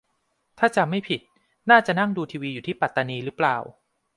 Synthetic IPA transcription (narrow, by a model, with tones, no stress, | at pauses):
t̪ʰaː˥˩t͡ɕa˨ma˥˩jpʰi˨˩t̪̚ | naː˥˩t͡ɕa˨˩na˥˩ŋduː˧t̪ʰiː˧wiː˧juː˨˩t̪ʰiː˥˩pa˨˩t̪ːa˧niː˧ɾɯː˦˥plaː˨˩w